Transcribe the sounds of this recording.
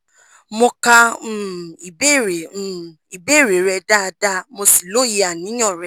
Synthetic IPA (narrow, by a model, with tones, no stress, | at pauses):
mõ˧ka˧ũ˨i˨be˦˨ɾẽ˨ | i˨be˦˨ɾe˨˦˨ɾɛ˧da˦˧da˦mo˧si˦˨lo˦˨ji˧a˨nĩ˨˦j̃ɔ̃˦˨ɾɛ˧˦